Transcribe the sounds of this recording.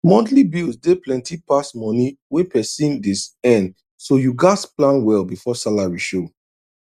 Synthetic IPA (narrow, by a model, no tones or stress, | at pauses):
mɔ̃ntlibilsdeplɛ̃ntipasmɔ̃niwepɛsĩmdisɛ̃n | sojuɡasplãnwɛlbifɔsalaɹiʃo